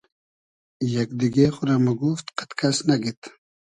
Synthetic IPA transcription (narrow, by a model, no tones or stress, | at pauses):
jakd̪iɡexʊɾamaɡuft̪qḁt̪kasnaɡit̪